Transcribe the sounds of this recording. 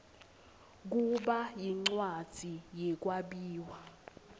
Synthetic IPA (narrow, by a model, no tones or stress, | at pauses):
k̬uɓajiŋ͡ǀwad̥z̥ʱijɛk̬waɓiːwa